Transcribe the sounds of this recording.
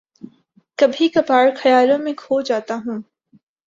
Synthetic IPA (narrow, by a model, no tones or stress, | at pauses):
kɐbʱikɐpaːɾxɐjaːlõmẽkʰoːd͡ʒaːt̪aɦũː